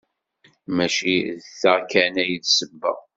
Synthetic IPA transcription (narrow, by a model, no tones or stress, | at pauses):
mæʃiðθaʁkænæjðsəbːə̰